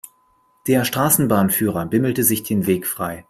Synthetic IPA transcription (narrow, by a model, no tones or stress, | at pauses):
d̥eːɐʃtʁ̥aːsn̩baːnfyːʁɐbɪml̩təzɪçd̥eːnveːkfʁ̥a̰ɪ